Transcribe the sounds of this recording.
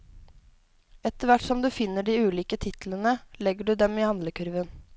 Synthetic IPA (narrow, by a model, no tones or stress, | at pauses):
ɛt̪əɾʋæʈːsɔmd̪ʉːfɪnːəɖiːʉːliːkət̪ʰɪt̪l̩ənəlɛɡəɖʉːd̪ɛmiːhɑnd̪ləkʰʉɾʋən